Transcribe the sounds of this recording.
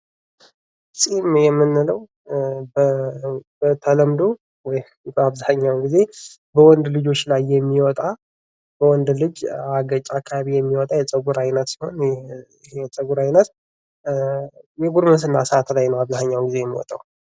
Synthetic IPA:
sʼimjɛmːɨnːɨləw | b | bət̪ʰələmd̪o | wɔj | bəaβzaɲːawɡize̞ | bəwɔnd̪lɨd͡ʒo̞t͡ʃːlajːɛmːiwɔt̪ʼa | bəwɔnd̪lɨd͡ʒaɡət͡ʃʼakʰːaβaβijɛmːiwɔt̪ʼajɛt͡sʼəɡuɾajnət̪si̥ho̞n | hjɛt͡sʼəɡuɾajnət̪ | jɛɡuɾməsɨnːasəat̪lajnəwaβzahɲːawɡize̞jɛmːḭwɔ̰t̪ʼaw

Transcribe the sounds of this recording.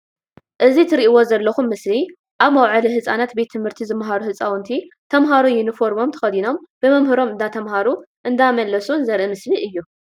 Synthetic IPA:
ʔɨzit̪ʰɨɾiʔiwo̞zɐlːɐxumːɨsli | ʔaβmɐwʕɨliɦɨt͡sʼanat̪be̞t̪ʰːɨmhɨɾt̪ʰizɨmːɦaɾuhɨt͡sʼawnt̪ʰit̪ʰɐmɦaɾujɪnɨfo̞ɾmo̞mt̪ʰɐ̥xɐd̪ino̞mb̥ɨmɐmhɨɾo̞mɨnd̪at̪ʰɐmhaɾuʔɨnd̪amɐlːɐsunzɐɾʔɨmɨsliʔɨjːu

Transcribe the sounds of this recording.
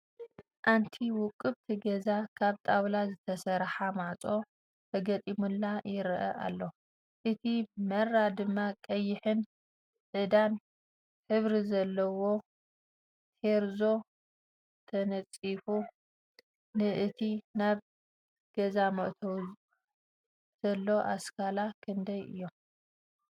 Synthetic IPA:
ʔant̪ʰiwʊkʼːɨβt̪ʰiɡɐzakʰaβt̪ʼawlazɨt̪ʰɐsɐɾħamaʕt͡sʼo̞ | t̪ʰɐɡɐt̪ʼimulːajɪɾʔɐ̰ʔa̰lːo | ʔɨt̪ʰimɐrːad̪ɨmːakʼɐjːɪħɨn | ʕɨd̪an | ħɨβɾizɐlːɐwo̞ | hʰeɾzo̞ | t̪ʰɐnɐt͡sʼifu | nɨʔɨt̪ʰinaβ | ɡ̥ɐzamɐʔt̪ʰɐw | z̥ɐlːo̞ʔaskʰalakʰɨnd̪ɐjɨ̰jːo

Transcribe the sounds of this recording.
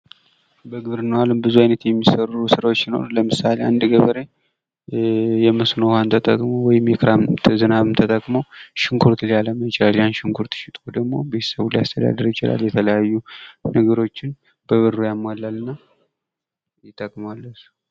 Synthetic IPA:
bəɡɨβɾɨnəwalɨmbɨzuajnət̪jɛmːisərusɨɾawot͡ʃːɪno̰ɾləmɨsalea̰nd̪ɨɡəβəɾe̞ | jɛmɨsnohant̪ʰət̪ʼəkʼmowɔjɪmjɛkʰɾamzɨnaβɨmt̪ʰət̪ʼəkʼmowʃɪŋkʰuɾt̪ʰɨljaləməjɪt͡ʃɪlaljanʃɪŋkʰuɾt̪ʰʃɪt̪ʼod̪əɡmo̞be̞t̪ʰə̥səβulajast̪ʰəd̪a̰d̪əɾt͡ʃʰɪla̰ljɛt̪ʰələjajːunəɡəɾo̞t͡ʃːɪn | b̥əβɨrːujamalːalːɨnːa | jɪt̪ʼːəkʼmalːəsu̥

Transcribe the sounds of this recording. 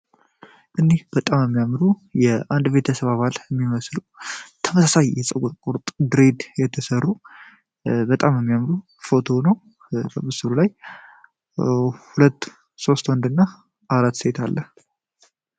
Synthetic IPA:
ʔɨnːehb̥ət̪ʼamjəmːijamɾujɛʔand̪ve̞t̪ʰəsəβaβalɛmːiməslut̪ʰəməsasajːɛsʼəɡoɾkʼuɾt̪ʼd̪ɾe̞d̪jɛt̪ʰəsərːu | bət̪ʼamjəmːijamɾu | fo̞t̪ʰo̞nəw | bəmɨsɨɾulaj | hulət̪ː | so̞st̪wənd̪ɨnːa | aɾat̪ːse̞t̪ʰalːəh

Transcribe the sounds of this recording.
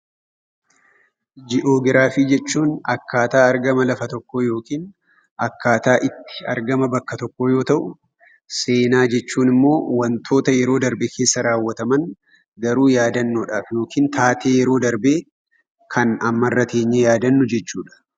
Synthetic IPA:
d͡ʒɪʔo̞ːɡɪɾaːfiːd͡ʒɛt͡ʃːuːnɐkːaːt̪aːɐɾɡɐmɐlɐfɐt̪ɔkːoːjo̞ːkiːn | ɐkːaːt̪aːʔɪt̪ːɪ̥ɐ̰ɾɡɐmɐbɐkːɐt̪ɔkːo̞ːjo̞ːt̪ɐʔʊ | se̞ːnaːd͡ʒɛt͡ʃːuːnɪmːo̞ːwɐnt̪ʰo̞ːt̪ɐjɛɾo̞ːd̪ɐɾbeːkʰeːsːɐɾaːwːɐt̪ɐmɐn | ɡɐɾuːjaːd̪ɐnːuːᶑaːfjo̞ːkiːnt̪ʰaːt̪e̞ːjɛɾo̞ːd̪ɐɾbe̞ː | kʰɐnɐmːɐrːɐt̪ʰeːɲːejaːd̪ɐnːʊd͡ʒɛt͡ʃːuːᶑɐ̥

